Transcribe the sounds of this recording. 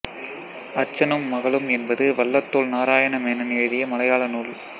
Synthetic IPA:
ɐt͡ʃːɐnɯmːɐɣɐɭɯmɛnbɐðɯʋɐɭːɐt̪ːoːlnaːɾaːjɐɳɐmeːnɐnɪʋðɪjɐmɐlɐjaːɭɐnuːl

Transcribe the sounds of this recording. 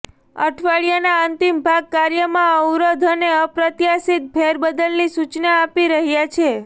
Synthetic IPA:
ə̰ʈʰʋaɭijanaənt̪imbʱaɡ̚kaɾjəmãəwɾod̪ʱəneəpɾət̪jasit̪̚pʰeɾbəd̪əlnisut͡ʃnaːpiɾəɦjat͡ʃʰe

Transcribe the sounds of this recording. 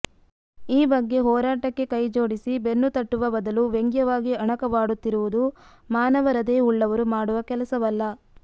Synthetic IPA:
iːbɐɡːe̞ɦɔːɾaːʈɐkːe̞kɐjd͡ʒoːɽisibe̞nːut̪ɐʈːuʋɐbɐd̪ɐluʋeŋɡjɐʋaːɡiɐɳɐkɐʋaːɽut̪ːiɾuʋud̪u | maːnɐʋɐɾɐd̪e̞ːuɭːɐʋɐɾumaːɽuʋɐkɛlɐsɐʋɐlːɐ

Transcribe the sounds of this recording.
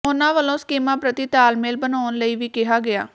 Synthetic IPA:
ʊnãːʋəlõːskeːmãːpɾət̪iːt̪aːlmeːlbənaːnləiːʋiːkɪɦaːɡɪa̰ː

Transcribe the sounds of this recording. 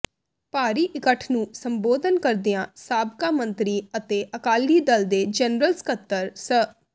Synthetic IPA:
paːɾiːʔɪkəʈʰnũːsəmboːd̪ənkəɾd̪ɪjãːsaːbkaːmə̃nt̪ɾiːət̪eːʔəkaːliːd̪əld̪eːd͡ʒɛːnɾəlskət̪ːəɾsə

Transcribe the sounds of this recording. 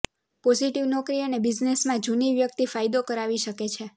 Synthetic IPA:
pɔziʈiʋnɔkɾiənebiznesmãd͡ʒuniʋjək̚t̪ifajd̪okəɾaʋiʃəket͡ʃʰe

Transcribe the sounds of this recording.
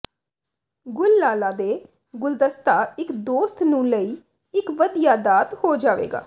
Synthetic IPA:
ɡʊlːaːlaːd̪eː | ɡʊld̪əst̪aːɪkd̪oːst̪nũːləiː | ɪkʋəd̪ijaːd̪aːt̪hoːd͡ʒaːʋḛːɡa̰ː

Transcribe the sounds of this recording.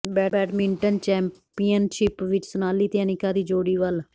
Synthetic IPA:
bɛːɛːʈmɪ̃ɳʈənt͡ʃɛ̃ːmpiːjənʃɪpʋɪt͡ʃsʊnaːliːt̪jɛːnɪkãːd̪iːd͡ʒoːɽiːʋəl

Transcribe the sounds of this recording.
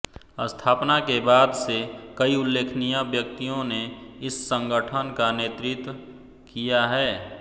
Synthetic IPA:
əst̪ʰaːpnakebaːd̪sekəiʊlːeːkʰnijabjək̚t̪ijõneɪsːə̃ŋɡəʈʰənkaneːt̪ɾɪt̪wə | kijaɦɛː

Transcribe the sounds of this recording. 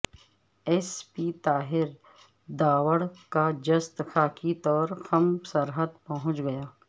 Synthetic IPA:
ɛspiːt̪aːɦɪɾ | d̪aːwəɽkad͡ʒɐst̪xaːkʰit̪ɔːɾxɐmsɐɾɦəd̪pɐɦʊ̃t͡ʃɡɐjaː

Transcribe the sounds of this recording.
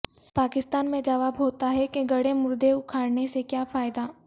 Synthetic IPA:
paːkɪst̪aːnmẽd͡ʒɐʋaːbɦoːt̪aɦɛkeɡɐɽemʊɾd̪eʊkʰaːɽnesekjaːfaːɪd̪aː

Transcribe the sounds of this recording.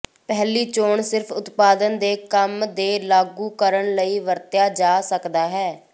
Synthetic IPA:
pɛːliːt͡ʃoːɳsɪɾfʰʊt̪paːd̪ənd̪eːkəmd̪eːlaːɡuːkəɾəɳləiːʋəɾt̪jaːd͡ʒaːsəkd̪aːɦɛː

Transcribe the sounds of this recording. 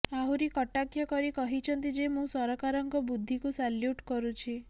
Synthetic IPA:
aɦuɾikɔʈakʰjɔkɔɾikɔɦit͡ʃʰɔnt̪id͡ʒemũsɔɾɔkaɾɔŋkɔbud̪ʱːikusaljuʈkɔɾut͡ʃʰi

